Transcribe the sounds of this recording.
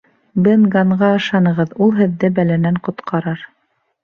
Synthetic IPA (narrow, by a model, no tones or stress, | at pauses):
bɘnɡɑɴʁɑɤ̆ʃɑnɤ̆ʁɤðulˠɦɘ̆ðːɘbælænæɴqŏt̪qʰɑɾɑɾ